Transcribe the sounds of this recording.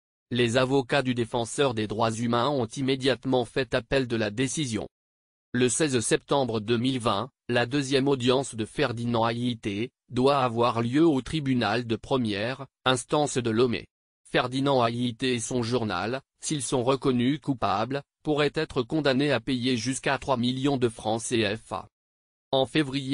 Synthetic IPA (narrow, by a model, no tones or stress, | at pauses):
lezavɔkad̪yd̪efɑ̃sœʁd̪ed̪ʁwazymɛ̃ɔ̃t̪imed̪jat̪mɑ̃fɛt̪apɛld̪əlad̪esizjɔ̰̃ | ləsɛzsɛp̚t̪ɑ̃bʁəd̪əmilvɛ̰̃ | lad̪øzjɛmɔd̪jɑ̃sd̪əfɛʁd̪inɑ̃ajit̪e | d̪waavwaʁljøot̪χibynald̪əpχəmjɛʁ | ɛ̃st̪ɑ̃sd̪əlɔmḛ | fɛʁd̪inɑ̃ajit̪eːsɔ̃ʒuʁna̰l | silsɔ̃ʁəkɔnykupabl | puʁɛt̪ɛt̪χəkɔ̃d̪aneapejeʒyskat̪χwamiljɔ̃d̪əfχɑ̃seɛfa̰ | ɑ̃fevʁije